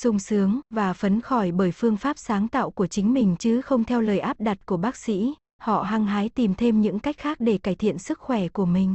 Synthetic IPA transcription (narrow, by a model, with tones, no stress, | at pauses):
sʊ˧wŋ͡msɨ˨˦əŋvaː˨˩fə˨˦nxɔ˧˩jɓəː˧˩jfɨ˧əŋfaː˦˥p̚saː˨˦ŋt̪a̰ː˧˨wku˧˩ət͡ɕï˨˦ŋ̟mï˨˩ŋ̟t͡ɕɨ˨˦xə˧wŋ͡mt̪ʰɛ˧wləː˨˩jʔaː˦˥p̚ɗa˨˩t̚ku˧˩əɓaː˦˥k̚sḭ˧˥ | hɔ̰˧˨ɦaː˧ŋɦaː˨˦jt̪i˨˩mt̪ʰe˧mɲɨ̰˧˥ŋka˦˥jk̟̚xaː˦˥k̚ɗe˧˩kaː˧˩jt̪ʰḭ˧˨ənsɨ˦˥k̚xwɛ˧˩ku˧˩əmï˨˩ŋ̟